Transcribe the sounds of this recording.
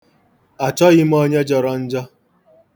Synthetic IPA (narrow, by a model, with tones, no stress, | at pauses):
a˨t͡ʃɔ˦ɣɪ˦m̩˦o˦ɲe˦d͡ʒɔ˨ɾɔ˦n̩˦d͡ʒɔ˦